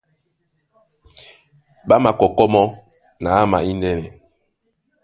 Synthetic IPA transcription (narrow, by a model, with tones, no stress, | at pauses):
ɓa˦ma˨kɔ˨kɔ˦mɔ˦ | na˨a˦ma˨i˦ndɛ˦nɛ˨